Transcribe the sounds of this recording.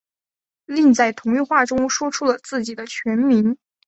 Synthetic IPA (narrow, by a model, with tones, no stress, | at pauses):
li˥˧ŋt͡sa˥˩ɪt̪ʰʊ˧˥ŋy˥˧xwa˥˩ʈ͡ʂʊ˥ŋʂwɔ˥ʈ͡ʂʰu˥lə˨t͡sɹ̩˥˩t͡ɕi˨˩d̪ə˦t͡ɕʰɥɛ˧˥nmi˧˥n